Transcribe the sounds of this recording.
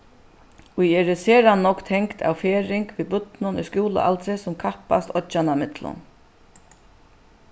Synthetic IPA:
ujɛːɾɪseːɾanɔkt̪ʰɛŋkt̪ʰa̰wfɛːɾɪŋkviːbʏt̪nʊnʊ̰jskjuːlʊ̰ʔa̰lt̪ɾɪsʊmkʰahpa̰st̪ɔt͡ʃanamɪt̪lʊ̰n

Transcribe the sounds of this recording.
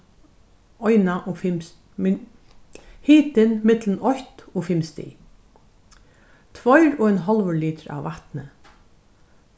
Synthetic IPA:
ɔjnaʔɔfɪm | hiːt̪ɪnmɪt̪lənɔjt̪ɔːfɪmst̪ɪ̰ | t̪ʰvɔjɾɔːɛnɦɔlʋəliːt̪əɹa̰ʋʋaht̪nə

